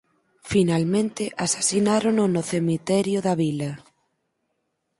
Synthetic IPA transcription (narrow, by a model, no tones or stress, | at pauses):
finalmẽnt̪ɪʔasḁsinaɾononʊθemit̪ɛɾjʊðaβilɐ